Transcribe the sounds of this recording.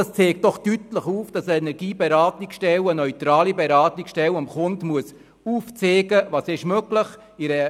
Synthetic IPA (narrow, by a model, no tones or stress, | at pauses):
ɑst͡seːkd̥ɔχtytləχuːfd̥ɑsəɛnɛɾɡiːbeɾɑːtnɪksʃtɛlənœʏtɾɑːlibɛɾɑːtɪksʃtɛlʊmχʊntmuəs | uːft͡seːɡəvɑːsɪʃmøɡləχ | ɪɾə